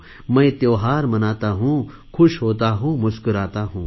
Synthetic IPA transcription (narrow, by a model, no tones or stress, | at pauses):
mə̃jt̪joːɦaːɾmɐnaːt̪aɦũː | kʰʊʃɦoːt̪aɦũːmʊskʊɾaːt̪aɦũː